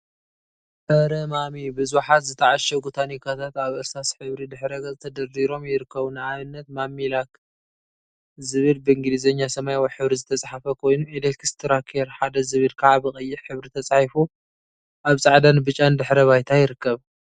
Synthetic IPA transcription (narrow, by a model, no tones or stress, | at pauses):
ʔɐɾɐmamibɨzuħat̪zɨt̪ʰɐʕaʃɐɡut̪ʰanikʰat̪ʰat̪aβʔɐst̪asħɨβɾid̪ɨħɾɐɡɐt̪ʰɐd̪ɐriɾo̞mjɪɾɨkːɐβunɨʕaβɨnːɐt̪mamːilak | zɨβɨlbɨɨŋɡɨlizɐɲːasɐmajwajħɨβɾizɨt̪ʰɐt͡sʼaħafɐkʰo̞jnuelekʰst̪ʰɨɾakʰeɾħad̪ɐzɨβɨlkʰɐʕabɨχʼɨjːɪħħɨβɾit̪ʰɐt͡sʼħifu | ʔaβt͡sʼaʕd̪anɨbɨt͡ʃʼːand̪ɨħɾɐβajt̪ʰajɪɾɨkːɐβ